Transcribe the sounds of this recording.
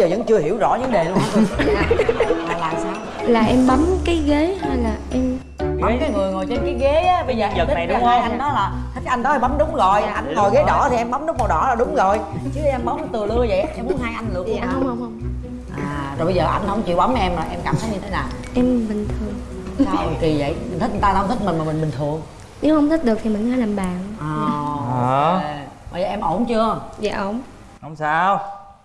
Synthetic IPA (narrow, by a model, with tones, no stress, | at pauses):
zəː˨˩zə̰˧˥ŋt͡ɕɨ˧əhḭ˧˩əwzɔ̰˧˥ɲɨ̰˧˥ŋɗe˨˩la˧ | a˨˩˨laː˨˩msaː˧w | laː˨˩ʔɛ˧mɓa˨˦mkaː˨˦jɣe˨˦ha˧jlaː˨˩ʔɛ˧m | ɣa˨e˨˦ŋ͡mkaː˨˦jŋɨ˨˩əjŋo˨˩jt͡ɕe˧nkaː˨˦jɣe˨˦ʔaː˨˦ɓə˧jzəː˨˩zəː˨˩t̪ʰa˨˩˨ɗʊ˨˧˦ə˧ʔa˧ŋɗɔ˨˦laː˨˩t̪ʰi˦˥k̟̚ʔa˧ŋɗ̪ɔ˨˦ha˧jɓa˨˦wŋ͡mɗʊ˨˦ŋ͡mzo˨˩jʔa˧jnŋo˨˩jɣe˨˦ɗɔ˧˩˧t̪ʰi˨˩ʔɛ˧mɓa˨˦ŋ͡mɗʊ˦˥k͡p̚ma˨˩wɗɔ̰˧˩laː˨˩ɗʊ˨˦ŋ͡mɣo˨˩jt͡ɕɨ˨˦i˨˧jʔa˧nɓa˨˦wŋ͡mt̪ɨ˨˩lɨ˧əjzə̰˧˨jʔa˧˩˧mu˦˨˦ənɦaː˧jʔa˧jŋ̟lɨ̰˨˧˩ə˧˨hwhwŋ͡mhə˧wŋ͡m | ʔaː˨˩zo˨˩ɓə˧jzəː˨˩ʔa˧jŋ̟hə˧wŋ͡mt͡ɕḭ˧˨əwɓa˨˦wm˧ʔɛ˧mlaː˨˩ʔɛ˧mkaː˧˩mt̪ʰə˨˦jɲɨ˧t̪ʰe˨˦naː˨˩w | ʔɛ˧mɓï˨˩ŋ̟t̪ʰɨ˨˩əŋ | saː˧wki˨˩zə̰˧˨jmi˨˩ŋʰi˦˥ɲɨ˨˩t̪ːwt̪ʰi˦˥k̚mï˨˩ŋ̟maː˨˩mï˨˩ŋ̟ɓï˨˩ŋ̟t̪ʰɨ˨˩əŋ | ne˨˦whə˧wŋ͡mt̪ʰi˦˥k̟̚ɗɨ˨˩ək̚t̪ʰi˨˩mï˨˩ŋ̟aː˨˦laː˨˩mɓaː˨˩nʔɔː˨˩˨ | e˧˨ɓaː˨˩zəː˨˩ʔɛ˧mʔo˧˩nt͡ɕɨ˧əza̰ː˧˨ʔo˧˩n | ho˧˩wŋ͡msaː˧w